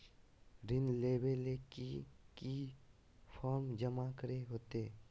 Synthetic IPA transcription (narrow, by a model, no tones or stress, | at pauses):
ɾɪnleːbelekiki | pʰɔːɾmd͡ʒəmakəɾeɦoːt̪eː